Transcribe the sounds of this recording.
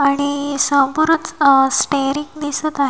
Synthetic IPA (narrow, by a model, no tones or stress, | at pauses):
aɽ̃isə̃puɾət͡ssʈeɾiŋnisət̪aɦe